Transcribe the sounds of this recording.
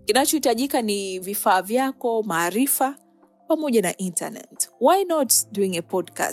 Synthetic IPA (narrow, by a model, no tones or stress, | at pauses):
kinat͡ʃɔhitaʄikanivifaːvjakɔmaːɾifa | pamɔʄana̰ʔinta̰nɛ̰twajnɔtduiŋɛpɔdka̰s